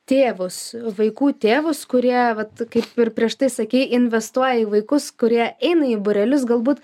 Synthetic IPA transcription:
t̪ʲeːʋʊsʋɐɪkuːt̪ʲeːʋʊskʊɾʲiɛʋɐt̪kɐɪpɪrpʲɾʲiɛʃt̪ɐɪsɐkʲiːɪnʲʋʲɛst̪uɔjɛiːʋɐɪkʊskʊɾʲiɛɛɪnɐiːbʊɾʲɛlʲʊs̬ɡɐlˠbuːt̪

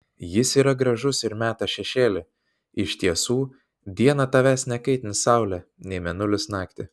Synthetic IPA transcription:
jɪsiːɾɐɡɾɐʒʊsɪɾmʲæːt̪ɑʃʲɛʃʲeːlʲɪ | ɪʃt̪ʲiɛsuː | d̪ʲiɛnɐt̪ɐʋʲæːsʲnʲɛkɐɪt̪ʲɪnʲsɑʊlʲɛnʲɛɪmʲɛnʊlʲɪsnɑːkt̪ʲɪ

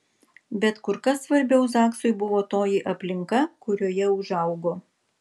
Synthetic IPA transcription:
bʲɛt̪kʊɾkɐsːʋɐɾʲbʲɛʊsɑːksʊɪbʊʋoːt̪oːjiːʔɐpʲlʲɪŋkɐkʊɾʲoːjɛʊʒɐˑʊɡoː

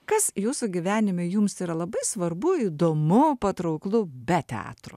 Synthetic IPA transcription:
kɐsjuːsʊɡʲɪʋʲæːnʲɪmʲojʊmsiːɾɐlˠɐbɐɪsʋɐɾbʊiːd̪oːmʊpɐt̪ɾɐʊklˠʊbʲɛt̪ʲɛɑ̰ːt̪ɾʊ̰

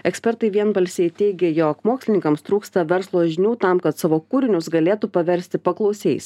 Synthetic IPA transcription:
ɛksʲpʲɛɾt̪ɐɪʋʲiɛnbɐlʲsʲɛɪt̪ʲɛɪɡʲejoːkmoːksʲlʲɪnʲɪŋkɐmst̪ɾuːkst̪ɐʋʲɛɾslˠoːʒʲɪnʲuːt̪ɐmkɐt̪sɑːʋoːkuːɾʲɪnʲʊsɡɐlʲeːt̪uːpɐʋʲɛɾʲsʲt̪ʲɪpɐklˠɒʊsʲɛɪs

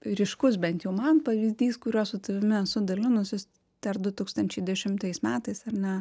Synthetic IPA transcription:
ɾʲɪʃkʊs̬bʲɛnt̪jɛʊmɐnpɐʋʲiːzʲd̪ʲiːskʊɾʲuːssʊt̪ɐʋʲɪmʲɪsʊd̪ɐlʲɪnʊsʲjɪs | t̪ʲɐrd̪ʊt̪uːkst̪ɐnʲt͡ʃʲɛɪd̪ʲɛʃʲɪmt̪ɐɪsmʲæːt̪ɐɪsɐɾnʲɛ

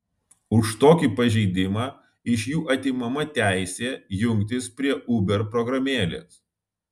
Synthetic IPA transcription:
ʊʃt̪oːkʲiːˑpɐʒʲɛɪd̪ʲɪmɑː | ɪʃjuːʔɐt̪ʲimɐmɐt̪ʲæˑɪsʲeːjʊŋʲk̚t̪ʲɪspʲɾʲiɛʔʊbʲɛɾpɾɔɡɾɐmʲeːlʲḛːs

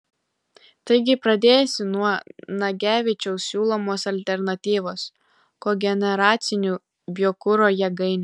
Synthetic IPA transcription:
t̪ɐɪɡʲɪpɾɐd̪ʲeːjɛsʲɪnuɔnɐɡʲæːʋʲɪt͡ʃʲɛʊsʲuːlˠoːmoːsɐlʲt̪ʲɛɾnɐt̪ʲiːʋoːs | koːɡʲɛnʲɛɾɑːt̪sʲɪnʲuː | bʲjoːkʊɾoːjɛɡɐɪnʲʊ

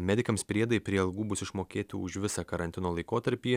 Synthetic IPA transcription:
mʲæd̪ʲɪkɐmspʲɾʲiɛd̪ɐjpʲɾʲiɛɐlˠɡuːbʊsɪʃmoːkʲeːt̪ʲɪʊʃʋʲɪsɑːkɐɾɐnʲt̪ʲɪnoːlˠɐɪkoːt̪ɐɾʲpʲiː

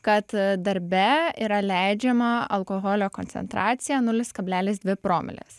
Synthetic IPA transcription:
kɐt̪d̪ɐɾʲbʲɛiːɾɐlʲæˑɪd͡ʒʲɛmɐɐlˠkoːɣoːlʲoːkonʲsʲɛ̰nt̪ɾɑːt̪sʲɪjɛːnʊlʲɪskɐbʲlʲæːlʲɪs̬d̪ʲʋʲɪpɾoːmʲɪ̰lʲɪ̰s

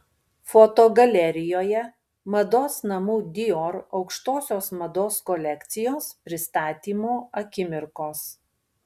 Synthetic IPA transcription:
fɔt̪oːɡɐlʲɛɾʲɪjoːjɛ | mɐd̪oːsnɐmuːd̪ʲɪoɾɒʊkʃt̪oːsʲoːsmɐd̪oːskɔlʲɛkt̪sʲɪjoːspʲɾʲɪst̪ɑːt̪ʲiːmoːɐkʲɪmʲɪɾkoːs

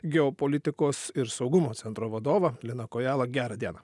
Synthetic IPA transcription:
ɡʲɛɔpoːlʲɪt̪ʲɪkoːsɪɾsɒʊɡʊmoːt̪sʲɛnt̪ɾoːʋɐd̪oːʋɐlʲɪnɐkoːjæːlˠɐɡʲæːɾɐd̪ʲiɛnɐ

